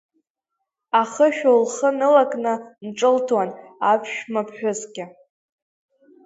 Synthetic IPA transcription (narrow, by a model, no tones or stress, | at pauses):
aχəʃᶣolχənɨlakʼnɨnʈ͡ʂʼɨltʰwanapʰʃᶣmapʰħᶣʊzɡʲɪ